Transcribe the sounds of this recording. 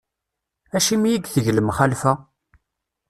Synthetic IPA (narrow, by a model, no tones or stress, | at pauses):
æʃimijiɡθəʝləmχalfæ